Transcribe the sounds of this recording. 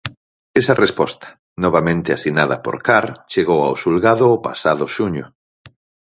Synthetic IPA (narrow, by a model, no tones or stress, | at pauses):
esarespɔst̪ḁ | nɔβamẽnt̪easinaðɐpo̰ɾkaɾt͡ʃeɣowawsulɣaðʊːpa̰saðʊʃuɲʊ